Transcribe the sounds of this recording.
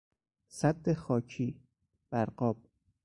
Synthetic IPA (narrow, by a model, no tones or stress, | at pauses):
sæd̪ːexɒːcʰiː | b̥æɾɢɒːb̥̚